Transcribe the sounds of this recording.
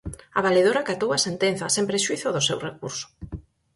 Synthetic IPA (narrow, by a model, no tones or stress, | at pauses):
aβaleðoɾakat̪owasent̪en̟θɐsempɾeʃuiθʊðʊsewrekuɾsʊ̥